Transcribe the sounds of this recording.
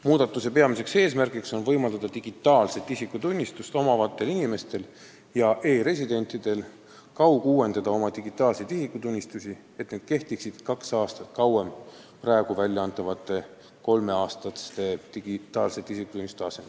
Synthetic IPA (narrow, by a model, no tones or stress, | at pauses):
muːd̪̥ɑt̪ːˑuse̞pe̞ɑmise̞kse̞ːsmærɡikso̞nvɤjmɑld̪ɑd̪̥ɑt̪iɡ̥it̪ˑːɑːlse̞t̪ːˑisikːut̪unʲːist̪ust̪o̞mɑvɑt̪ːe̞linime̞st̪e̞l | jɑʔe̞ːɾe̞sʲid̪e̞nʲt̪ˑid̪̥e̞l | kɑwkuːwe̞nd̪ɑd̪̥ɑo̞mɑd̪iɡ̥it̪ːˑɑːlsejd̪̥isikːˑut̪unʲːist̪usʲi | e̞t̪neːd̪̥ke̞ht̪iksid̪̥kɑksɑːst̪ɑt̪kɑwem | prɑeɡ̥uvælʲjɑɑnt̪ːˑɑvɑt̪ːˑe̞ | ko̞lme̞ɑːst̪ɑt̪e̞t̪iɡit̪ːˑɑːlse̞t̪ːˑisikːut̪unʲːist̪ɑsen